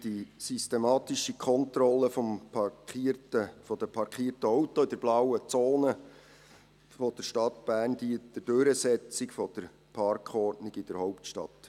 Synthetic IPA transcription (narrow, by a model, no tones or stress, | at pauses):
d̥isyst̪emɑːt̪iʃikʰɔnt̪ɾɔlːəfɔmpɑkitəfɔd̥əpʰɑɾkχiːtəɔwtɔɪdəɾblɑwət͡soːnə | fɔd̥əɾʃtɑt̪b̥æːrndiətəd̥øɾəsɛt͡sikfɔd̪̥əɾ | pʰɑrkχɔrdnɪɡɪd̥əɾhɔʊptʃtɑ̰t̪